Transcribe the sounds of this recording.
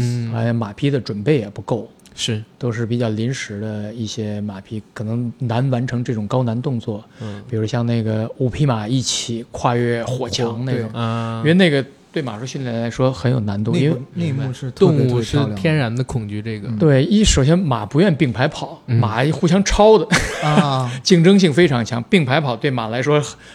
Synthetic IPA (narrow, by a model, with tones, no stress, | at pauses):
a˧˥˩ma˨˩pʰi˥d̪ə˨ʈ͡ʂwə˨˩npe˥˩ɪjɛ˨˩pu˧˥ko˥˩ʊʂɻ̩˥˩t̪o˥ʊʂɻ̩˥˩pi˨˩t͡ɕjɑ˥˩ʊli˧˥nʂɻ̩˧˥d̪ə˧i˥˩ɕjɛ˥ma˨˩pʰi˥kʰɤ˨˩nɤ˧˥ŋna˧˥nwa˧˥nʈ͡ʂʰɤ˧˥ŋʈ͡ʂɤ˥˩ʈ͡ʂʊ˨˩ŋkɑ˥ʊna˧˥nt̪ʊ˥˧ŋt͡swɔ˥˩pi˨˩ɻu˧˥ʂwɔ˥ɕjɑ˥˧ŋne˥˩ɡə˩u˨˩pʰi˥˩ma˨˩i˥˩t͡ɕʰi˨˩˦kʰwa˥˧ɥɛ˥˩xwɔ˨˩t͡ɕʰjɑ˧˥ŋne˥˩ʈ͡ʂʊ˨˩˦i˥wɪne˥˩ə˩ | t̪we˥˩ɪma˨˩ʂu˥ɕy˥˧nljɛ˥˩nla˧˥ɪʂwɔ˥xə˧˥njo˨˩ʊna˧˥nt̪ʊ˥˧i˥nwne˥˧m˧u˥˧ʂɻ̩ʰ˥˧ʊ˥˧ŋ˧u˥˧ʂɻ̩˥˧˩t̪ʰjɛ˥nɻa˧˥nd̪ə˧kʰʊ˨˩ŋt͡ɕy˥˧ʈ͡ʂɤ˥˩ɡə˩t̪we˥˩ɪ˥˩ʂo˨˩ʊɕ̬jɛ˥nma˨˩pu˧˥ɥɛ˥˧npi˥˩ŋpʰa˧˥ɪpʰɑ˨˩˦ʊma˨˩xu˥˩ɕ̬jɑ˥ŋʈ͡ʂʰɑ˥ʊd̪ə˨ | t͡ɕi˥˩ŋʈ͡ʂɤ˥ŋɕ̬i˥˩ŋfe˥ɪʈ͡ʂʰɑ˧˥ŋt͡ɕʰjɑ˧˥ŋpi˥˩ŋpʰa˧˥ɪpʰɑ˨˩ʊt̪we˥˩ɪma˨˩la˧˥ɪʂwɔ˥